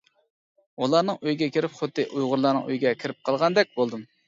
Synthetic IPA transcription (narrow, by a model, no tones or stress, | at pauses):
ulˠɑnɨŋøjɡʲɛkʲʰiɾɪpχot̪ːɨʔujʁʊɾlˠɑːnɨ̰ŋø̰jɡʲɛkʲʰɪɾɪp̚qʰɑlˠʁɑnd̪ɛk̚ʲbolˠd̪ɨm